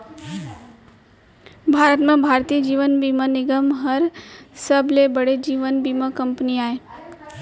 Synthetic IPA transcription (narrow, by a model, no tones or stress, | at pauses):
bʱaːɾət̪mẽbʱaːɾt̪iːəd͡ʒiːʋənbiːmənɪɡəmɦəɾsəblebəɽed͡ʒiːʋənbiːmakə̃mpniaːeː